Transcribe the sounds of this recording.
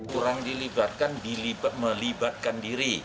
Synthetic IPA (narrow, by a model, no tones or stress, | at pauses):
kuɾaŋdilibat̪̚kandilibaməlibat̪̚kandiɾi